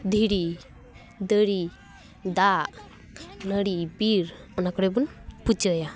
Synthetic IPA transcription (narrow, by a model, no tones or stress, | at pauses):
d̪ʱiɾi | d̪əɽi | d̪aʔ | nəɽibiɾɔnakɔɽebunput͡ʃəja